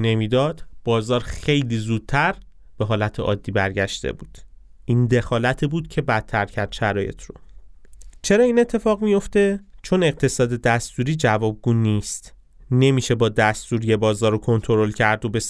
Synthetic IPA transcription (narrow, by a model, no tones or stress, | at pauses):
ne̞miːd̪ɒːd̪̥b̥ɒːzɒːɾxe̞jliːzuːd̪̥̚t̪ʰæɾ | b̥e̞ɦɒːlæt̪ʰeʔɒ̰ːd̪ːiːbæɾɟæʃt̪ḛbuːd̪̥ | ʔiːnd̪e̞xɒːlæt̪ʰibuːd̪̥cʰe̞bæt̪ʰːæɾcʰæɾd̪̥ʃæɾɒːje̞t̪ʰɾo̰ | t͡ʃʰe̞ɾɒːiːne̞t̪ʰːe̞fɒːɣmijo̞ft̪e̞t͡ʃʰo̞ne̞ɣ̚t̪ʰe̞sɒːd̪e̞d̪æst̪uːɾiːd͡ʒævɒːb̚ɡuːniːst̪ | ne̞miːʃe̞bɒːd̪æst̪uːɾijebɒːzɒːɾokʰo̞nt̪ʰo̞ɾo̞lcʰæɾd̪o̞be̞s